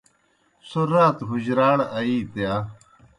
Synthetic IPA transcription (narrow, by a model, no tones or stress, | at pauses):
suɾaːt̪ɦud͡ʑɾaːɽɐiːt̪jaː